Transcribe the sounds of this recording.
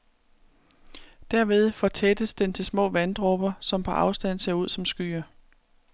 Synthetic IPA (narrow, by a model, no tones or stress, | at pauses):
d̥æɐ̰ʋe̝ð̞ˠfɒ̽t͡sʰed̥əsd̥ent͡sʰe̝lsmɔ̰ːʋænd̥ʁɔb̥ɐsɒ̽mpʰɒ̽ʔɑ̈ʊsd̥æn̰se̝ɐuð̰ˠsɒ̽msɡ̥y̰ːɐ